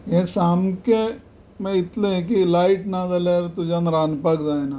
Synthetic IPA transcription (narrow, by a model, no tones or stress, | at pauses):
jẽsaːmke | mẽɪt̪leẽk̬ilaːɪʈnazɐleɾt̪ud͡ʒãnɾaːnpɐkzaːena